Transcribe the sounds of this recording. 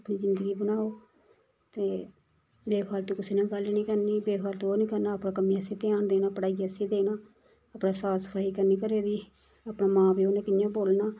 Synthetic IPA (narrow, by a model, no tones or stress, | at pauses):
pniːzɪnd̪əɡiːbənaːoː | t̪eː | beːpʰaːlt̪ũːkɪseːnãːɡəlnĩːkəɾniːbeːpʰaːlt̪ũoːnĩːkəɾnaːəpɳãːkəmĩːəsĩːt̪eaːnd̪eːnaːpəɽaːiːəsĩːd̪eːnaː | əpɳãːsaːsə̥pʰaːiːkəɾniːkəɾeːd̪iː | aːpɳaːmãːbiːoːnẽːkɪjãːboːlnaː